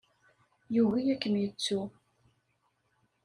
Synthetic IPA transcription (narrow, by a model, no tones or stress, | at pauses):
juɣijækːəmjət͡sːu